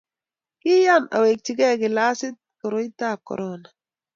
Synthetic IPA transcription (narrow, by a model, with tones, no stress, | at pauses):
kɪ˦ja˦˨na̰˨we˨k̚ti˨ɡɛ˦˨kɪ˨la˦sɪ˦t̚kɔ˨ɾo˦jta˦˨kɔ̰˨ɾɔ˦na˨